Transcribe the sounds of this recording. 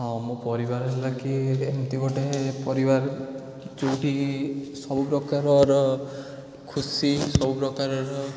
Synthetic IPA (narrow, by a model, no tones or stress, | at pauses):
ɦɔ̃mõpɔɾibaɾɦelakiemt̪iɡɔʈeɦepɔɾibaɾ | t͡ʃowʈisɔbupɾɔkaɾɔɾɔ | kʰusisɔbupɾɔkaɾɔɾɔ